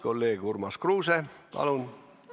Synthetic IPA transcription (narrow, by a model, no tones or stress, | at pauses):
kolːeːɡ̥urmɑskruːsepɑ̰lun